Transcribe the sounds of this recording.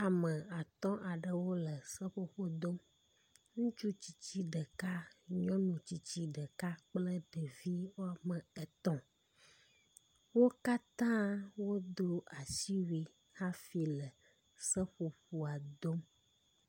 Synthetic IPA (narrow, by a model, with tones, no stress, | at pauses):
a˨mə˨a˨t̪ɔ̃˦ʔa˨ɖə˨wo˦lə˨sə˦ɸo˦ɸo˦d̪o˦m | ŋũ˦t͡ʃu˦t͡ɕi̥˨t͡ɕi˦ɖə˨ka˦ɲɔ̃˦nũ˨t͡ɕi˨t͡ɕi˦ɖə˨ka˦k͡plə˦ɖə˨vi˦wo˦a˨mə˨ɛ˨t̪ɔ̃˦ | wo˦ka˦t̪ã˦wo˦d̪o˦a˨si˦wi˦ | ha˦fi˨lə˨ | sə˦ɸo˨ɸu˨a˨d̪o˦m